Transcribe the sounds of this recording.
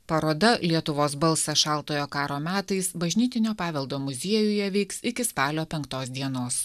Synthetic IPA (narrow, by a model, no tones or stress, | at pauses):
pɐɾoːd̪ɐlʲiɛt̪ʊʋoːsbɐlˠˑsɐʃɑˑlˠt̪oːjoːkɑːɾoːmʲæːt̪ɐɪsbɐʒʲnʲiːt̪ʲɪnʲoːpɑːʋʲɛlˠd̪oːmʊzʲiɛjʊjɛʋʲɛɪksɪkʲɪspɑːlʲoːpʲɛŋkt̪oːs̬d̪ʲiɛnoːs